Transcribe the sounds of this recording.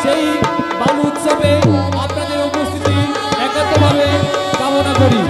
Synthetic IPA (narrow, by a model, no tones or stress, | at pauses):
ʃejbaluut̪ʃɔbe | apnad̪eɾupust̪ʰit̪i | ɛkɔt̪ɔbʱabekaɦonakɔɾi